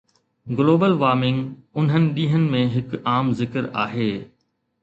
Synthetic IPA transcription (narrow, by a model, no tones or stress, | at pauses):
ɡloːbəlʋaːɾmɪ̃ŋɡʊn̤ɦənɪ̆ɗĩːɦənɪ̆mẽɦɪkaːmzɪkəɾa̰ːɦeː